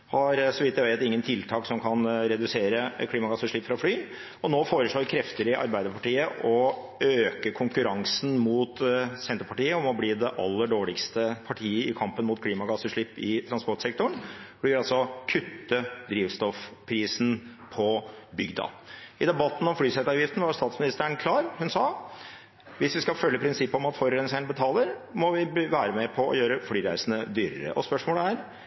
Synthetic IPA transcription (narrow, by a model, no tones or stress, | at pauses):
hɑɾsɔʋɪt̪ːjæʋeɪt̪ɪŋːənt̪ʰɪlt̪ʰɑːksɔmkʰɑnɾɛd̪ʉseːɾəkʰliːmɑɡɑsəʂɭɪpːfɾɑflyː | ɔnoːfoːɾəʂɭoːɾkʰɾɛft̪əɾɪʔɑ̰ɾbæɪd̪əpɑʈiːəʔɔ | øːkəkʰʊŋkʉɾɑŋsn̩muːt̪sɛnt̪əɾpɑʈiːəɔmɔbliːd̪ɛʔɑ̰lːəɖoːɭɪkst̪əpʰɑʈʰiːəɪkʰɑmpənmʊːt̪kʰliːmɑɡɑsəʂɭɪpːɪt̪ʰɾɑnspɔʈsɛk̚t̪ʊɳb̥liːɾɑlsɔkʰʉt̪ːəd̪ɾiːʋst̪ɔfpʰɾiːsnpʰɔbʏɡd̪ɑ̰ɪd̪ɛbɑt̪ːn̩ɔmfɽyːsɛt̪ɑːʋjɪft̪ən̩ʋɑst̪ɑːt̪smɪnɪst̪əɳkʰlɑːɾhʉnsɑː | ʋɪsʋɪskɑfœlːəpʰɾɪnsɪpːəɔmɑt̪fɔɾɾɛnsɛnbət̪ʰɑːləɾmɔʋɪʋæːɾəmɛpʰɔɔ̰jøːɾəfɽyːɾæɪsənəd̪yːɾə̰ɾə̰ʔɔspœʂmoːləæːɾ